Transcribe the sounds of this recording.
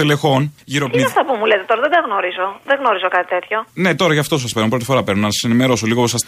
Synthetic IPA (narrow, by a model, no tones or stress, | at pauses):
elexo̞nʝiɾoiɐft̪ɐpumulet̪et̪o̞ɾɐðed̪ɐɣno̞ɾizo̞ðeɣno̞ɾizo̞kɐt̪i̥t̪e̞t̪ço̞ne̞t̪o̞ɾɐʝɐft̪o̞s̬ɐspeɾumpɾo̞t̪i̥fo̞ɾɐpe̞ɾnmnɐsɐ̥senime̞ɾo̞soliɣoposɐs